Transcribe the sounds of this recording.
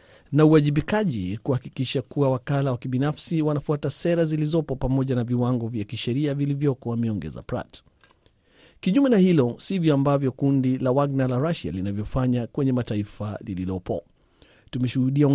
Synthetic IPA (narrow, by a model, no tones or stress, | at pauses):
nauaʄiɓikaʄḭkuhakikiʃakuawakalawakiɓinafsiwanafuatasɛɾazilizɔpɔpamɔʄanaviwaŋɡɔvjakiʃɛɾiavilivjɔkɔwamɛɔŋɡɛ̰za̰pɾa̰t | kiʄumɛnahilɔsivjɔambavjɔkundilawaɡnalaɾaʃa̰linavjɔfaɲakwɛɲɛmataifalililɔpɔ̰ | tumɛʃuhuɗia